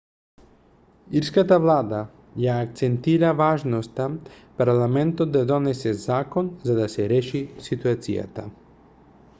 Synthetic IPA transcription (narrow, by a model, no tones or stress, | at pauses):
iɾskat̪avlˠad̪a | jaːk̚t̪sɛnt̪iɾavaʒnɔst̪a | paɾlˠamɛnt̪ɔd̪̚d̪ad̪ɔnɛsɛzakɔnzad̪asɛɾɛʃisit̪uat̪sḭja̰t̪a̰